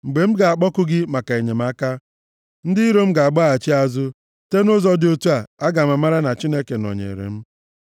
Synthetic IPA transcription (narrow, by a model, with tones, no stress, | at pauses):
ŋ͡m̩˨ɡ͡be˨m̩˦ɡa˨a˨k͡pɔ˦kʊ˦ɡɪ˦ma˨ka˨e˨ɲe˨m̩˦a˦ka˦ | n̩˦dɪ˦i˦ɾo˦m̩˦ɡa˨a˨ɡ͡bɔ˦a˨t͡ʃi˦a˦zʊ˦ | te˦nʊ˦zɔ˦do˦tu˦a˨a˦ɡa˨ma˨ma˦ɾa˦na˨t͡ʃi˦ne˦ke˨nɔ̰˨ɲḛ˨ɾḛ˨m̩˦